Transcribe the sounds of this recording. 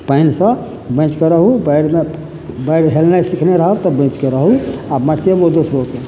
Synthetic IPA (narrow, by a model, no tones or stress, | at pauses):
painsə̃ | bə̃t͡ʃkəɾəɦubajɽme | bajɽɦelnajsikʰneɾəɦəbt̪ɔbə̃t͡ʃkeɾəɦuamat͡ʃʰebod̪osɾok̪e